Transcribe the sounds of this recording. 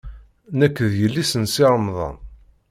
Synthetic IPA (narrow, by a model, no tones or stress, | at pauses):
nækːəðjəlːisənsiʁəmðˤɑ̰n